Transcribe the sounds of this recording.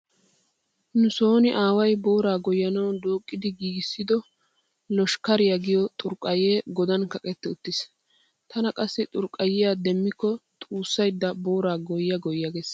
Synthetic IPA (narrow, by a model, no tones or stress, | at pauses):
nʊso̞ːnɪʔaːwɐjbo̞ːɾaːɡɔjːɐnɐwd̪oːkʼːɪd̪ɪɡiːɡɪsːɪd̪ɔ | lɔʃkɐɾɪjɐɡɪjɔt̪ʼʊɾkʼːɐjeːɡɔd̪ɐnkɐkʼɛt̪ːɛʊt̪ːɪs | t̪ʰɐnɐkʼɐsːɪt̪ʼʊɾkʼːɐjːɪjad̪ɛmːɪkːɔt̪ʼuːsːɐjd̪ːɐbo̞ːɾaːɡɔjːɐɡɔjːaɡes